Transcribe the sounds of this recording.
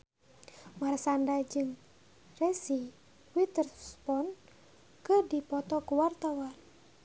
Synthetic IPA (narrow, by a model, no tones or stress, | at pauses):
marsandad͡ʒɨŋ | rɛsi | wit̪ərspɔn | kɨrdipɔt̪ɔkuwart̪awan